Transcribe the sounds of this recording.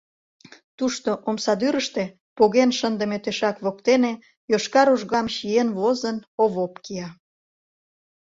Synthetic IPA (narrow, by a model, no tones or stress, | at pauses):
t̪uʃt̪oʔomsɑd̪yɾəʃt̪e̽ | poɣenʃənd̪əmet̪eʃɑkβokt̪ene | joʃkɑɾuʒɣɑmʃienβozənoβopkiɑ